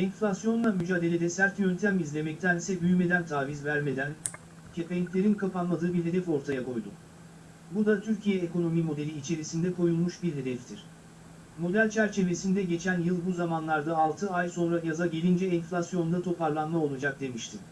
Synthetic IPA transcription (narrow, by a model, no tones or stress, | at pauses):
ɛnflʲasjo̞nˠamyd͡ʒaːd̪e̞lʲe̞d̪ɛsæɾt̪jø̞nt̪ʰæmizlʲe̞mɛc̚t̪ʰænsɛbyjyme̞d̪ænt̪ʰaːvizvæɾme̞d̪æn | cʰe̞penʲicʲlʲe̞ɾinkʰapanmad̪ɯːbiɾɦe̞d̪ɛfo̞ɾt̪ʰajakʰo̞jd̪ṵ | bud̪at̪ʰyɾcʰijɛeko̞no̞mimo̞d̪e̞lʲiːt͡ʃʰe̞ɾisind̪ɛkʰo̞julˠmuʃbiɾɦe̞d̪ɛft̪ʰiɾ̥ | mo̞d̪ælʲt͡ʃʰæɾt͡ʃʰe̞ve̞sind̪ɛɟe̞t͡ʃʰænjɯlˠbuzamanlˠaɾd̪aːlˠt̪ʰɯajso̞nɾajazaɟe̞lʲind͡ʒɛːnflʲasjo̞nd̪at̪ʰo̞paɾlˠanmao̞lˠad͡ʒak̚d̪e̞miʃt̪ʰi